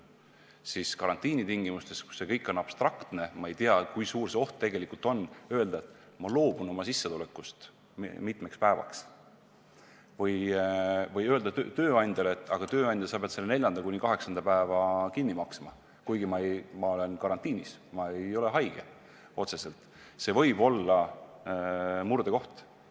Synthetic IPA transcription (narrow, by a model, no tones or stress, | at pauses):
siskɑɾɑnt̪ˑiːnit̪iŋɡ̥imust̪e̞sku̥se̞kɤjkːˑo̞nːɑb̥st̪rɑkt̪ne̞mɑe̞jt̪iɑkujsuːrse̞oht̪t̪e̞ɡ̥e̞likult̪ˑo̞nːøe̞ld̪̥ɑet̪ː | mɑlo̞ːbuno̞mɑsisːet̪ulekːˑust̪ | mit̪ˑmekspæevɑ̰ks | vɤj | vɤjø̞ld̪ɑt̪t̪ø̞ːɑnʲd̪ɑlet̪ːˑɑ̰ɡ̥ɑt̪ø̞ːɑnʲd̪̥ɑsɑb̥ed̪selːene̞lʲjɑnd̪̥ɑlkunʲikɑɦe̞ksɑnd̪ɑpæevɑkinːimɑksmɑ | kujɡimɑejmɑo̞le̞nkɑɾɑnt̪ːiːnismɑe̞jo̞le̞ɦɑjɡ̥e | o̞t̪se̞se̞lt̪ˑ | se̞vɤ̞jbo̞lːɑ | murd̪eko̞ht̪